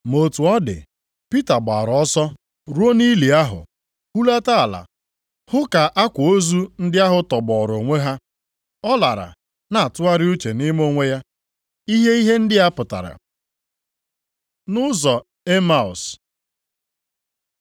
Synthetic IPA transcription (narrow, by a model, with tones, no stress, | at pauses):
mo˨tu˨ɔ˦dɪ̰˨ | pi˦ta˨ɡ͡ba˨ɾɔ˦sɔ˦ | ɾu˦o˦ni˦li˨a˦ɦʊ̰˨ | hu˦la˦ta˦˨la̰˨ | hʊ˦ka˨ʔa˦kʷʊ˨o˦zu˦n̩˦dɪ˦a˦ɦʊ˨tɔ˨bɔ˨ɾo˨ŋʷe˦ɦa˦ | ɔ˦la˨ɾa̰˨ | na˨a˨tʊ˦a˦ɾɪ˦u˦t͡ʃe˨nɪ˦mo˦ŋʷe˦ja˦ | i˦ɦe˦i˦ɦe˦n̩˦dɪ˦a˦pʊ˨ta̰˨ɾa̰˨ | nʊ˦zɔ˨ | e˦ma˨ʊ˨s